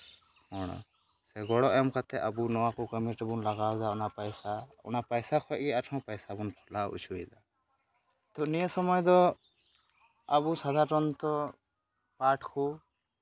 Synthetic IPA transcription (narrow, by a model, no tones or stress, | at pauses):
hɔɽ̃ɔ̰ | sɛɡɔɽɔʔɛmkat̪ɛəbunɔwakɔkəmiʈɛbunlaɡawd͡ʒaɔnapajsaɔ̰napajsakʰɔɛʔ̚ɡɛaʈʰɔ̃wpajsabunpʰɔlaṵt͡ʃʰuid̪a | t̪ɔnijəsɔmɔjd̪ɔ | abusad̪ʱaʈɔnt̪ɔ | paʈkʰu